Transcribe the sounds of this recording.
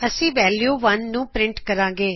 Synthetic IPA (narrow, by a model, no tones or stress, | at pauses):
əsĩːʋɛːljuːʋənːũːpɾɪɳʈkəɾãːɡeː